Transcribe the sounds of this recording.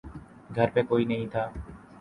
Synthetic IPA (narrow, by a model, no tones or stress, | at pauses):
ɡʱəɾpekoinej̃t̪ʰa